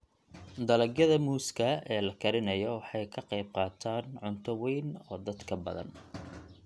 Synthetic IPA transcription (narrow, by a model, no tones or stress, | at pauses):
d̪ɐlɐɡjɐðɐmuːskʰɐɛːlɐkʰɐɾɪnɐjɔwɑħɑjkʰɐqejb̚qɑːt̪ʰaːnʕʊnt̪ʰɔwɛjnɔːd̪ɐd̪kʰɐbɐ̰ðɐ̰n